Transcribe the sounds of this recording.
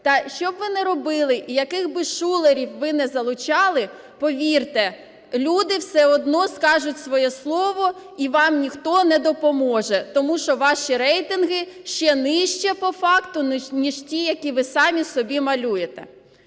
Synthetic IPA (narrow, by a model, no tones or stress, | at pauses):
t̪ɐʃt͡ʃɔbʋɪnɛɾɔbɪlˠɪʔijɐkɪxbɪʃulˠeɾʲiwʋɪnɛzɐlˠʊt͡ʃɑlˠɪ | pɔʋʲirt̪ɛ | lʲud̪ɪwsɛɔd̪nɔskɑʒʊtʲsʋɔjɛslˠɔʋɔ | iʋɑmnʲixt̪ɔnɛd̪ɔpɔmɔʒɛt̪ɔmuʃɔʋɑʃiɾɛjt̪ɪnɦɪ | ʃt͡ʃɛnɪʃt͡ʃɛpɔfɑkt̪ʊnʲiʒ̥tʲijɐkʲiʋɪsɑmʲisɔbʲimɐlʲujet̪ɛ̰